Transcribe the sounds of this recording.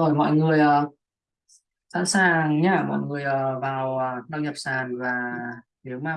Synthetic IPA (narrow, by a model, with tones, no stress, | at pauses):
o˨˩jmɔ̰˧˨jŋɨ˨˩əjʔəː˨˩ | sa̰ː˧˥nsaː˨˩ŋɲaː˧˩mɔ̰˧˨jŋɨ˨˩əjʔəː˨˩vaː˨˩wə˩nə̰˧˨ɲə˨˩p̚saː˨˩nvaː˨˩ti˨˦əwmaː˧˩